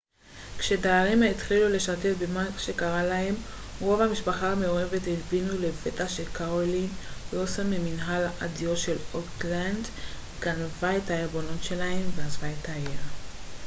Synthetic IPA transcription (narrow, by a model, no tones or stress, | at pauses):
kʃe̞daːʁimait̪χilule̞ʃatetbemaʃe̞kaʁalahe̞m | ʁo̞vamiʃpaχahameo̞ʁe̞vethitbinule̞ve̞taʃekaoliosameminɦalʔadijo̞tʃe̞lotland | ɡ̥anvaetaebo̞notʃe̞lahe̞mveazvaetʰaeʁ